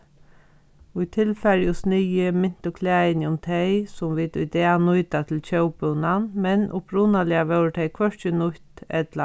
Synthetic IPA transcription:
ʊjt̪ʰɪlfɛɾjʊsnɪjəmɪn̥t̪ʊkʰlɛːɪnʊmt̪ʰɛɪsʊmʋit̪ʊjd̪ɛːanʊːt̪at̪ʰɪlt͡ʃœwpʊnanmɛnʔʊpɾuːnalɪaʋɛwɾʈ̪ʰeɪkʰvœʂt͡ʃənʊht̪ɛt̪la

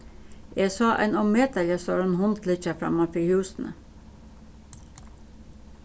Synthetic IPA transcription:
esɑːʔæ̰ɪnɔmeːt̪ɑləsoːɾenhʊnt̪lɪt͡ʃəfɾɑ̰ːmɑfihʉːsn̩ʔə̰

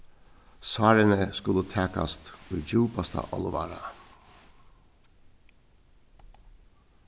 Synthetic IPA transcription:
sɑːɾənəskʉlət̪ʰæːkɑ̰st̪ʉːd͡ʒʉːpɑst̪ʰə̰ʔɑ̰ləʋɑ̰ːɾə

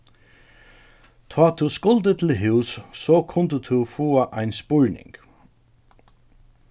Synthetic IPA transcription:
t̪ʰɑːt̪ʰuskʊlt̪ət̪ʰɪlɦʉwsːɔkʰʊnt̪ət̪ʰufuːaʔaɪnspʊɹnɪ̰ŋk

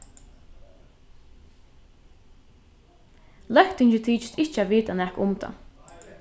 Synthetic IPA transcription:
lœkt̪ɪŋt͡ʃɪt̪ʰiːt͡ʃɪ̥st̪ʰɪht͡ʃaʋiːt̪anæhkʊmt̪a̰

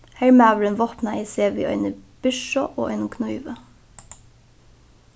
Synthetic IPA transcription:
hæmæʋlənʋoːpnɑʔiːseːʋɪ̰ʔœ̰ʏnəb̥ʏʃɔ̰ʔo̰ːʔœʏnʊmkʰnʊʏʋə

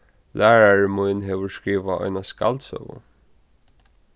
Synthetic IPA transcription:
lʔæːɹaɹmujnɦɛʋəɹskɹiːʋaʔɔ̰jnaska̰lt̪sœ̰vʊ̰

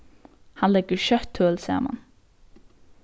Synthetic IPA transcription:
hɑnlɛɡəɹʃœt̪ʰːøːlsæ̰ːma̰n

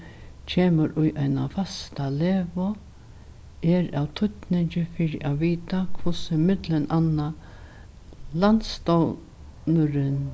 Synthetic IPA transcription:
t͡ʃʰeːməɾʊjʔajna̰fast̪aleːvɔ | ɛɾa̰wt̪ʰʊt̪nɪɲt͡ʃɪfɪɾɪʔaviːt̪akʰvʊsɪmɪt̪lɪnʔanːa | lant̪st̪ɔw | nʊɾɪn

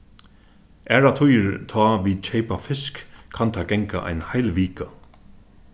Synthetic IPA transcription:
ʔɛːɹat̪ʰʊjɾt̪ʰɔːʋiːt͡ʃʰɛjpafɪskʰːant̪ʰaɡɛŋka̰ʔa̰jnhajlʋiːka

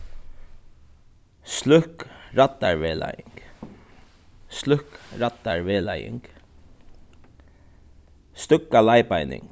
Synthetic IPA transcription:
slʏhkɾat̪ːa̰ɹʋeːla̰jɪŋk | slʏhkɾat̪ːaɹʋeːla̰jɪ̰ŋk | st̪ʏkːalajpajnɪ̰ŋk

